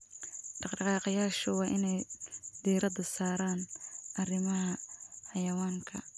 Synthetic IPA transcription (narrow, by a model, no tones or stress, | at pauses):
ɖɑqɖɑqɑːqɑjaːʃʊwɑːʔɪnɛjd̪iːɾɐdɐsaːɾaːnʔɐrɪmɐɦɐħɑjɐwaːŋkʰɐ̰